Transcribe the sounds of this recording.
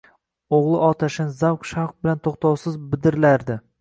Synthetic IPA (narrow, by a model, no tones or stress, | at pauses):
oʁlˠɪʔɒt̪ʰaʃɪnzawqʃaq̚bɪlant̪ʰoχt̪ʰɑwsɪzbɪd̪ɪɾlaɾd̪ɪ